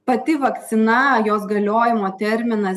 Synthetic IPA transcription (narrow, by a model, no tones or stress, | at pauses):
pɐt̪ʲɪʋɐkt̪sʲɪnɐjoːsɡɐlʲoːjɪmoːt̪ʲɛɾʲmʲɪnɐs